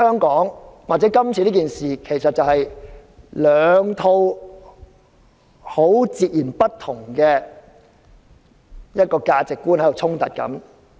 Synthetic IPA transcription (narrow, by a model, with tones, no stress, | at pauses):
hœː˥ŋkɔː˨˥ŋwaː˨k̚t͡sɛ˨˥kɐ˥mt͡sʰiː˧liː˥kiː˨nsiː˨kʰe˨˩jsɐ˨t̚t͡sɐ˨whɐ˨j | lœː˨˧ŋt̪ʰo˧w | ho˨˥wt͡siː˨t̚jiː˨˩npɐ˥tt̪ʰːʊ˨˩ŋkɛː˧ | jɐ˥t̚kɔː˧kaː˧t͡sɪ˨kːuː˥nhɐ˨˥jo˨wt͡sʰʊ˥ŋt̪ɐ̰˨˩t̚kɐ̰˨˥m